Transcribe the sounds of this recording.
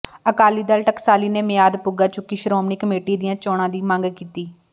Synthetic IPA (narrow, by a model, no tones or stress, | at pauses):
əkaːliːd̪aːlʈəksaːliːneːmɪjaːd̪pʊɡaːt͡ʃʊkːiːʃɾoːmnɪkəmeːʈiːd̪ɪjãːt͡ʃoːɽãːd̪iːmə̃ŋɡkiːt̪iː